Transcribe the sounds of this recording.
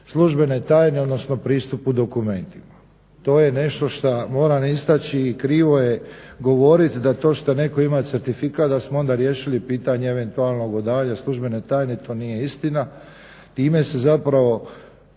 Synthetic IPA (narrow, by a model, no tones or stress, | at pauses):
slˠuʒbe̞net̪aːjneod̪no̞sno̞pɾiːst̪upud̪o̞kume̞nt̪ima | t̪o̞ːjene̞ʃt̪o̞ʃt̪amo̞ːɾanist̪at͡ɕiːkɾiːʋo̞jeɡo̞ʋo̞ɾit̪d̪at̪o̞ːʃt̪ane̞ko̞imat̪seɾt̪ifikaːt̪̚d̪asmoo̞nd̪aɾje̞ːʃilipiːt̪aɲeeʋe̞nt̪ualˠno̞ɡod̪aːɲaslˠuʒbe̞net̪aːjnet̪o̞ːnije̞ist̪ina | t̪iːme̞sezapɾaʋo̞